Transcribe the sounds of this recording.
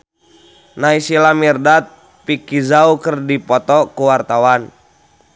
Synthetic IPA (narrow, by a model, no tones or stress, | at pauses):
naisilamirdat̪̚ | pikizaukɨrdipɔt̪ɔkuwart̪awan